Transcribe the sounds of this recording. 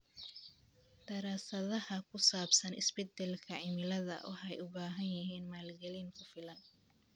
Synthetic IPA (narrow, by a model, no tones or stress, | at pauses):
d̪̥ɐɾaːsɐðɐhɐkʰʊsaːbsɐnɪsbɛd̪ɛlkʰɐʕɪmɪlɐðɐ̰wɑ̰ħɛjʊbaːɦɐnjɐɦiːnmaːlɡɛlɪŋkʰʊfɪlɐn